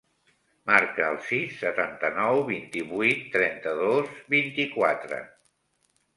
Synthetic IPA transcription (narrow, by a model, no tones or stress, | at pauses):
maɾkəːlˠsisːət̪ant̪ənɔwβint̪iβuijt̪ːɾɛnt̪əðozβint̪ikwat̪ɾə̰